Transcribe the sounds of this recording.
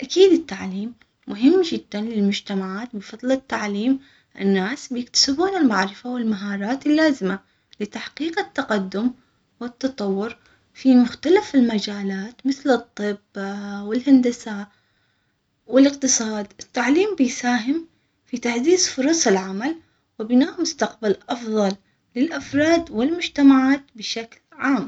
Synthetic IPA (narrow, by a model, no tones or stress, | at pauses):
ʔakiːd̪ɪt̪ːaʕliːmː | ʊɦɪmːd͡ʒɪd̪ːanlɪlmʊd͡ʒt̪amaʕaːt̪bɨfɑðˤlɪt̪ːaʕliːm | ʔɪ̰nːaːsbjɪkt̪ḁsɪbuːnɪlmaʕɾɪfawɪlmaɦɑːɾˤɑːt̪ɪlːaːzɪma | lɪt̪aħqiːqɪt̪ːaqad̪ːʊm | wɪt̪ːɑt̪ˤɑwːʊɾ | fimʊxt̪alafɪlmad͡ʒaːlaːt̪mɪθlɨt̪ˤːɨbːwɪlhand̪asa | wɪlɪqt̪ɨsˤɑːd̪ʔɪt̪ːaʕliːmbɪjsaːɦɪm | fit̪aħziːzfʊɾˤɑsˤɪlʕamal | wɪbɪnaːʔmʊst̪aqbalʔɑfðˤɑlː | ɪlʔafɾˤɑːd̪wɪlmʊd͡ʒt̪amaʕaːt̪bɪʃaklʕaːm